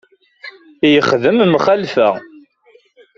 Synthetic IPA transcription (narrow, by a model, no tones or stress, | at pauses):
jəχðəmmχælfæ